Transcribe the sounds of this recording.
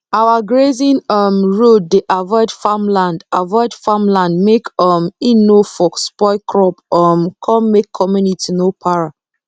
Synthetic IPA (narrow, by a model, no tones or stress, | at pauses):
awaɡɹezĩnɔmɹoddeʔavɔɪdfamlãndavɔɪdfamlãndmekɔminofɔkspɔɪkʰɹɔpɔmkʰɔ̃mmekʰːɔmjunitʰinopʰaɹa